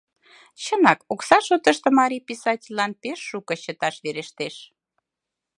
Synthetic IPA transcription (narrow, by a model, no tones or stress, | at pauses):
t͡ɕənɑkoksɑʃot̪əʃt̪ə̆mɑɾʲipisɑtʲilʲːɑnpeʃːukə̆ɕət̪ɑʃβeɾeʃt̪eʃ